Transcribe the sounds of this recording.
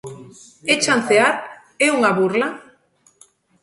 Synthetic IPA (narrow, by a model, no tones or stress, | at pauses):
et͡ʃanθeaɾ | euŋaβurla